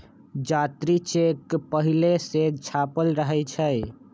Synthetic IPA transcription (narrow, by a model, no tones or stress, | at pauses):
d͡ʒat̪ɾit͡ʃekpəɦileset͡ʃʰapəlɾəɦɛt͡ʃʰəj